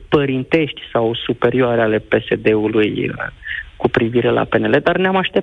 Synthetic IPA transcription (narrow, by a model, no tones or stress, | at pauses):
pəɾint̪e̞ʃt̪ʲsawsupe̞ɾioaɾeale̞pe̞se̞d̪e̞uluj | kupɾiviɾe̞lʔa̰pe̞ne̞le̞d̪arneamaʃt̪e̞